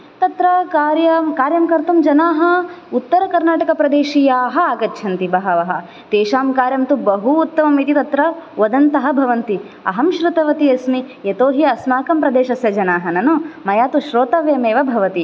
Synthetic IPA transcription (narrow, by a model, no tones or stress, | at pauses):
t̪ɐt̪ɾɐkaːɾjɐmkaːɾjɐmkɐɾt̪ɐmd͡ʒɐnaːɦɐut̪ːɐɾɐkɐɾnaːʈɐkɐpɾɐd̪eːʃiːjaːɦɐ̆aːɡɐtːt͡ʃʰɐnt̪ibɐɦɐʋɐɦɐ̆ | t̪eːʃaːmkaːɾjɐmt̪ubɐɦuːt̪ːɐmɐmit̪it̪ɐt̪ɾɐʋɐd̪ɐnt̪ɐɦɐbʱɐʋɐnt̪i | ɐ̰ɦɐmʃɾut̪ɐʋɐt̪iɐsmi | et̪oːɦiɐsmaːkɐmpɾɐd̪eːʃɐsjɐd͡ʒɐnaːɦɐnɐnumɐjaːt̪uʃɾoːt̪ɐʋjɐmeːʋɐbʱɐʋɐt̪i